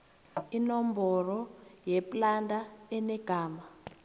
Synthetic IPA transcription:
inɔmbɔrɔjɛplandʱaɛnɛɡ̥ʱaːma

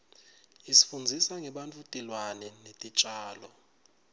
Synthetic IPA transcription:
isi̥fund͡zʱisaŋɛɓant͡fʼutʼilwanɛnetʼit͡ʃʼaːlɔ

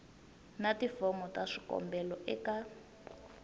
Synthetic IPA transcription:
nativɔmɔtaʂikɔ̰mbɛlɔʔɛka

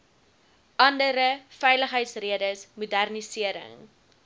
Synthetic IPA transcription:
ʔɐndəɾəfɛjləχɦəjtsriədəsmudærnisiəɾə̰ŋ

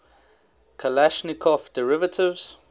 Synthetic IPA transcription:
kʰəlaʃnɪkʰɔfd̥əɹɪvətʰɪvz̥

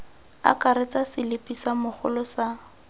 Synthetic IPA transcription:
a̰kaɾet͡sasɪlɪpʼisamʊχʊ̰lɔsa

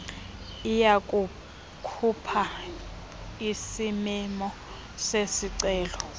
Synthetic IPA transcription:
ijakʼu | kʰupʰa | isimimɔ | sesiǀɛːlɔ

